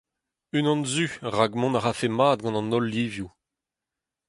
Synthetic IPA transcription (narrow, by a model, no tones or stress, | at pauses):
ynɑ̃nzyʁaɡmɔ̃naʁafemaːd̪̚ɡɑ̃nɑ̃nɔlːiːvju